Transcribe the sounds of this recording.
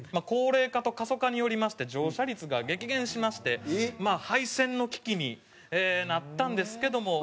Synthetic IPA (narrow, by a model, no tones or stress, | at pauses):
mako̞ːɾe̞ːkat̪o̞kaso̞kaɲ̟ijo̞ɾʲimaɕi̥t̪e̞d͡ʑo̞ːɕaɾʲit͡sɨɡaɡe̞kʲiɡẽ̞ɰ̃ɕimaɕi̥t̪e̞maːhaisẽ̞nːo̞kʲi̥kʲiɲ̟i | eːnat̪ːãnd̪e̞sɨ̥ke̞d̪o̞mo̞